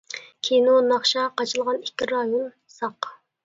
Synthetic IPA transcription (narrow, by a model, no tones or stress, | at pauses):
kʲʰejnonɑχʃɑqɑt͡ʃʰɨlˠʁɑnikʲːiɾɑjon | sɑq